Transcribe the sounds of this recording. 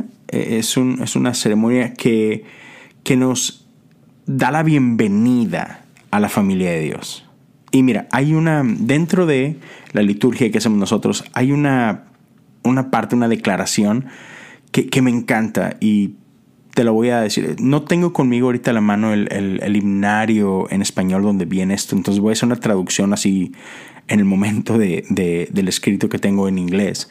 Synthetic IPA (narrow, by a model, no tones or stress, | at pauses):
ḛʔesunḛsṵnase̞ɾe̞mõ̞njakʰe̞ | ke̞no̞z̥ | ðalaβje̞mbe̞niða̰ | alafamiljaðe̞ðjo̞̰s | imiɾaʔajunad̪e̞nt̪ɾo̞ðe̞lʔalit̪uɾxjakease̞moznoso̞t̪ɾo̞sajuna | unapaɾt̪eunaðe̞klaɾasjo̞nkeke̞me̞ːŋkant̪a̰i | t̪e̞loβo̞jaðe̞sḭɾ̰no̞t̪e̞ŋɡo̞ko̞nmiɣ̞oaoɾit̪alamãno̞elḛlḛlimnaɾjoḛne̞spaɲo̞ld̪o̞nd̪e̞βje̞neest̪o̞enonseβojase̞ɾunat̪ɾaðuksjo̞nasi | ene̞lmõ̞mẽ̞nt̪o̞ðe̞ðe̞ðe̞le̞skɾit̪oke̞t̪e̞ŋɡo̞enĩŋɡle̞s